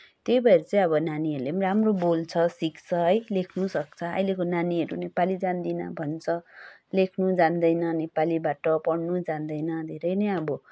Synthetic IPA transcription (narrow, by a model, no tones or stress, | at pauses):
t̪ejbʱʌeɾʌt͡sãĩʌbʌnaniʌɾulemɾamrobolt͡sʰʌsikt͡sʰʌɦʌjlekʰnusʌk̚t͡sʰʌʌ̰jlekonaniɦʌɾunepalid͡zand̪inʌ̰bʱʌnt͡sʰʌlekʰnud͡zand̪ʌjnʌnepalibaʈʌpʌɽnud͡zand̪ʌjnʌd̪ʱeɾʌjnʌjʌbʌ